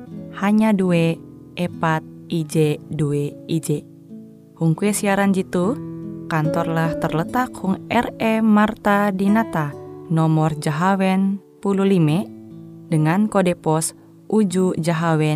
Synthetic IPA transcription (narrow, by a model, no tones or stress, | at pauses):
haɲaduɛ | ʔɛpat̪̚id͡ʒɛduɛid͡ʒɛ | huŋkuɛsiaɾand͡ʒit̪ukant̪ɔrlaht̪ərlət̪akhuŋɛrɛmart̪adinat̪anɔmɔrd͡ʒaɦawɛnpululimɛdəŋankɔdɛpɔs | ʔud͡ʒud͡ʒaɦawɛ